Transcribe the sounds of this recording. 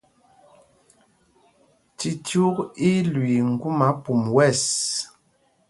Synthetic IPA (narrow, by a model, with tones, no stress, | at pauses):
ti˨tu˦ki˦lwi˨ŋ̩˨ɡu˦ma˨˦pu˨mwɛ˦˨s